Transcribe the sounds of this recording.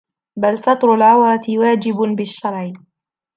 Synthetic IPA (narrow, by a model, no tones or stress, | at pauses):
balsɑt̪ˤɾʊlʕawɾˤɑt̪ɪwaːd͡ʒɪbbɪʃːɑɾˤʕ